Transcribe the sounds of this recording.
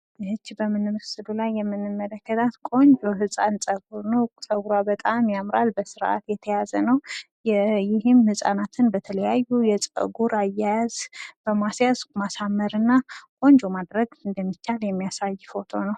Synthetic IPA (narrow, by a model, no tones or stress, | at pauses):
hɨt͡ʃːbəmɨnːɨmɨsɨlulajːɛmːɨnːɨmːələkːət̪ʰat̪kʼo̞ɲd͡ʒo̞ɦɨsʼansʼəɡuɾnəwsʼəɡuɾabət̪ʼamjamɾalbəsɨɾʔa̰t̪jɛt̪ʰəjazənəw | jɛjɪhɨmhɨsʼa̰nat̪ʰɨnbət̪ʰələjajːujɛt͡sʼə̰ɡuɾajːajazb̥əmasjazmasamːəɾɨnːakʼo̞ɲd͡ʒo̞mad̪ɾəɡɨnd̪əmːit͡ʃːaljɛmːijasajːfo̞t̪ʰo̞nəw